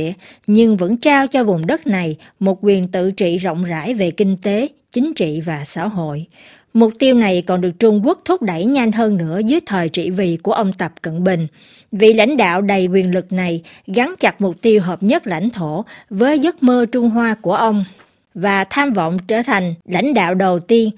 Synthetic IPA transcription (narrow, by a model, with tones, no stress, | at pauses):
əɲɨ˧ŋvə̰˧˥nt͡ɕaː˧wt͡ɕɔ˧vʊ˨˩ŋ͡mɗə˦˥t̚na˨˩j | mo˨˩t̚kwi˨˩ənt̪ɨ̰˧˨t͡ɕḭ˧˨zo̰˧˨wŋ͡mza̰ː˧˥jve˨˩kï˧ŋ̟t̪e˨˦ | t͡ɕï˨˦ŋ̟t͡ɕḭ˧˨vaː˨˩sa̰ː˧˥ɦo̰˧˨j | mʊ˨˩k͡p̚t̪i˧əwna˨˩jkɔ˨˩nɗɨ˨˩ək̚t͡ɕʊ˧ŋ͡mku˦˥ək̚t̪ʰʊ˦˥p̚ɗə˧˩jɲa˧nɦəː˧nnɨ̰˧˥əzɨ˨˦jt̪ʰəː˨˩jt͡ɕḭ˧˨vḭ˧˨ku˧˩əʔə˧wŋ͡mt̪ə˨˩p̚kə̰˧˨nɓï˨˩ŋ̟ | vḭ˧˨la̰˧˥jŋ̟ɗa̰ː˧˨wɗə˨˩jkwi˨˩ənlɨ˨˩k̚na˨˩jɣa˨˦nt͡ɕa˨˩t̚mʊ˨˩k͡p̚t̪i˧əwɦəː˨˩p̚ɲə˦˥t̚la̰˧jŋ̟t̪ʰo˧˩vəː˨˦jzə˦˥t̚məː˧t͡ɕʊ˧ŋ͡mɦwaː˧ku˧˩əʔə˧wŋ͡m | vaː˨˩t̪ʰaː˧mvə̰˧˨wŋ͡mt͡ɕəː˧˩t̪ʰa˨˩ŋ̟la̰˧˥jŋ̟ɗa̰ː˧˨wɗə˨˩wt̪i˧ən